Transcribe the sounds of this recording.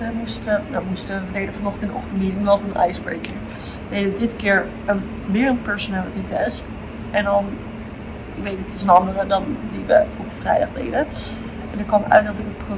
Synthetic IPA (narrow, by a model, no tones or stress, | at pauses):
əmustədɔmustəəlejdəfɑnɔχtənɔ̰χtənminəŋʋɑtənʔɛ̰jsbɛɹkɪɹ | dejdədɪtkɪːɹ | ən | ʋɪːɹənpɛɹsonelətitɛst | ɛndɑn | ɪʋejt̚itəsənɑndərədɑndiʋəɔpfrɛ̰jdɑχdḛjdə | ɛndəkʋɑnœ̰ɥtdɑtɪkətpro